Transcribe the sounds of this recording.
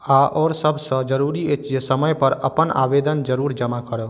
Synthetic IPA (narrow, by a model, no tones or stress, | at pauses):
aʔɔːɾsəbʱsə̃d͡ʒəɾuːɾiet͡ʃjesəməjpəɾə̰pəna̰ːʋeːd̪ənd͡ʒəɾuːɾd͡ʒəmakəɾə